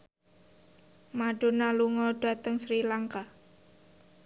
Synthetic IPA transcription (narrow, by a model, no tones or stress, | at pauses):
maɖ̥o̤naluŋɔɖ̥ä̤t̪əŋsɾilaŋka